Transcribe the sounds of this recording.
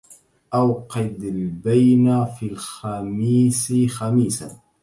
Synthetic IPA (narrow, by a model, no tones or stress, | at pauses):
ʔawqɑd̪albajnafilxamiːsɪxamiːsa̰